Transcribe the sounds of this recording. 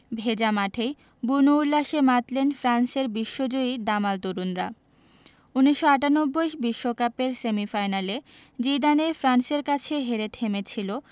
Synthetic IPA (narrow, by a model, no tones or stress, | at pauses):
bʱed͡ʑamaʈʰej | bunoulːaʃemat̪lenfɾanseɾbiʃːod͡ʑoid̪amalt̪uɾunɾa | uniʃːoaʈanobːojʃbiʃːokapeɾsemifajnale | d͡ʑid̪anefɾanseɾkat͡ɕʰeɦeɾet̪ʰemet͡ɕʰilo